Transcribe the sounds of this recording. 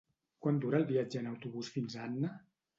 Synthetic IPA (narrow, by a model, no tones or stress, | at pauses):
kwand̪uɾəːlˠβiad͡ʒəːnəwt̪uβusfinzanːə